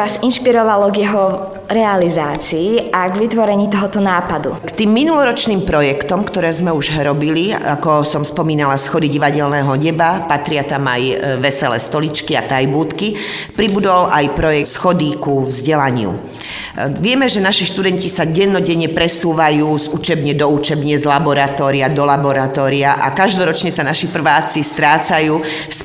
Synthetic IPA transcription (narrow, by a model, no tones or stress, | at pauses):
ʋaːzinʃpiɾɔʋalɔɡjɛɦɔ | ɾɛalizaːt͡siːaɡʋit̪ʋɔɾɛɲiːt̪ɔɦɔt̪ɔnaːpad̪ṵkt̪iːmːinulɔɾɔt͡ʃniːmpɾɔjɛkt̪ɔmkt̪ɔɾɛːzmɛuʒɦɾɔbilia̰kɔsɔmspɔmiːnalasxɔd̪iɟiʋaɟɛlnɛːɦɔɲɛbapat̪ɾɪat̪ama̰jʋɛsɛlɛ̰ːst̪ɔlit͡ʃkiat̪ajbuːt̪ki | pɾibud̪ɔlʔajpɾɔjɛsxɔd̪ikuvzɟɛlaɲɪṵ | ʋɪɛmɛʒɛnaʃiʃt̪ud̪ɛncisaɟɛnːɔɟɛɲɛpɾɛsuːʋajuːzut͡ʃɛbɲɛd̪ɔut͡ʃɛbɲɛzlabɔɾat̪ɔːɾiad̪ɔlabɔɾat̪ɔːɾiaʔa̰kaʒd̪ɔɾɔt͡ʃɲɛsanaʃipr̩ʋaːt͡sist̪ɾaːt͡sajuː | s